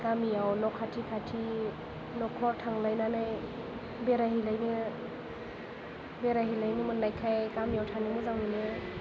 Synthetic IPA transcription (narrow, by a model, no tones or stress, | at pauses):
kamijawnɔkʰːatʰikʰatʰi | nɔkʰɔɾtʰaŋlajnanaj | beɾaɦilajnɯ | beɾaɦilajnimɯnːajkʰajkamijawtʰanimɯzaŋminɯ